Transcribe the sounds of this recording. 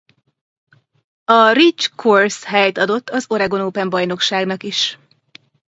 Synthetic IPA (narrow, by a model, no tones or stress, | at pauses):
ɒrit͡ʃkʰorsɦɛjt̪ɒd̪o̞t̪ːɒzo̞ɾɛɡo̞noːpɛmbɒjno̞kʃaːɡnɒkiʃ